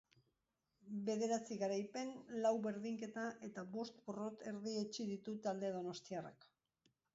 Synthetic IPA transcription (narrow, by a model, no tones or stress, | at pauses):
be̞ðe̞ɾat͡siɣaɾajpe̞nlawβe̞ɾðiŋke̞t̪aʔe̞t̪aβo̞st̪boro̞t̪e̞ɾðiet͡ʃiðit̪ut̪ald̪eðo̞no̞st̪iara̰k